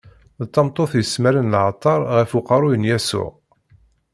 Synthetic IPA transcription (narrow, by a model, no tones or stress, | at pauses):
ðt̪ˤːɑmt̪ˤːoθjəsmæɾənlʕt̪ˤːɑɾˤʁəfuqɑɾˤujənjæsʊ̰ʁ